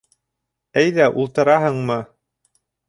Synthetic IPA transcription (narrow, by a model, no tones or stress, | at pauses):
æjðæʔulˠt̪ɤ̆ɾɑɦɤɴmɤ